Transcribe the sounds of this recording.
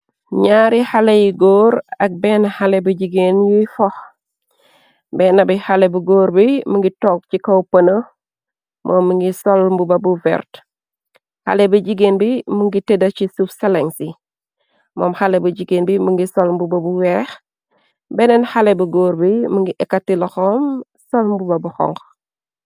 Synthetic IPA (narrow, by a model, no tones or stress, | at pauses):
ɲaɾihalejiɡoːɾɐk̚bɛːnahalebuɟiɡenjifɔh | bɛːnɐbihalebuɡoːɾbimuŋɡitɔːk̚cikowpɐnə | mʔɔːmːiŋɡisɔlmbubɐbuvɛ̰ɾt | ha̰lebəɟiɡeːnbimuŋɡitedɐcisufsɛleŋsi | mɔ̰ːmhalebuɟiɡeːnbimuŋɡisɔlmbubɐbuwɛːx | bɛnɛnhalebuɡoːɾbimuŋɡiʔɛkːatilɐxɔm | sɔlmbubɐbuxɔ̰ŋɡ